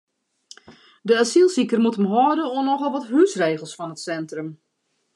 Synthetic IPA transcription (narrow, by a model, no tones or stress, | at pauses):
dəasilˠsikərmutəmɦɔədəonɔxɔlˠʋɔthysreːxəlˠsfɔnətsɛntrəm